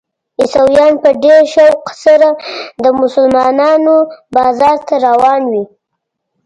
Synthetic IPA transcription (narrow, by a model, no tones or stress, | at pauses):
ɪsawjɑnpəɖeɾʃawqsaɾad̪əmʊsʊlmɑnɑnobɑzɑɾt̪aɾawɑnwi